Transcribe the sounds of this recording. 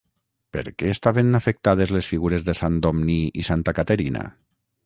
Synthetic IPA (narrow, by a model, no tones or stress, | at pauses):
pḛɾkeːst̪aβenafek̚t̪að̞ezlesfiɣuɾezðesand̪omniisant̪akat̪eɾina̰